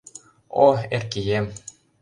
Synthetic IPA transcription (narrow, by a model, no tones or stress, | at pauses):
oerkijem